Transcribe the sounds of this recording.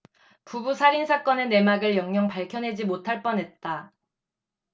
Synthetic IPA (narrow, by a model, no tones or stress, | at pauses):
pubusʰaɾinsʰak͈ʌnene̞maɡɯɭjʌŋɲʌŋpaɭkʰjʌnɦe̞d͡ʑimotʰaɭp͈ʌnɦe̞t̚t͈a